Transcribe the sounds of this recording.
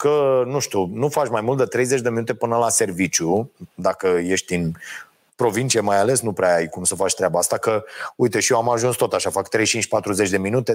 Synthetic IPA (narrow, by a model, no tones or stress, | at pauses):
kənuʃt̪ʲunufat͡ʃmajmult̪d̪et̪ɾe̞jze̞t͡ʃd̪eminut̪e̞pɨnəlase̞rvit͡ʃʲjud̪akəje̞ʃt̪in | pɾo̞vint͡ʃiemajale̞snupɾeaajkumsəfat͡ʃʲt̪ɾeabaast̪akəujt̪e̞ʃijoamaʒunst̪o̞t̪aʃafakt̪ɾe̞jt͡ʃint͡ʃʲpat̪ɾuzet͡ʃd̪e̞minut̪e̞